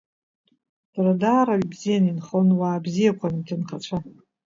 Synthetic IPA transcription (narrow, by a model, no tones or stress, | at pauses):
d̥radaːɾaɥbzijaninχonwaːbzijakʷʰantʰɨnχat͡ʃʷʰa